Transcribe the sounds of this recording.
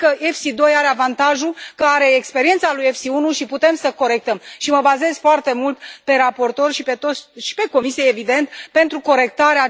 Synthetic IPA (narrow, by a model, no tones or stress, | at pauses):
kəʔefsid̪o̞jaɾe̞avant̪aʒukəaɾe̞ːkspe̞ɾient̪salujefsiunuʃiput̪e̞msəko̞ɾe̞k̚t̪əmʃiməbaze̞z̥foart̪e̞mult̪pe̞ɾapo̞rt̪o̞rʃipe̞t̪o̞t̪sʃi̥pe̞ko̞misijeevid̪e̞nt̪pe̞nt̪ɾuko̞ɾe̞kt̪aɾea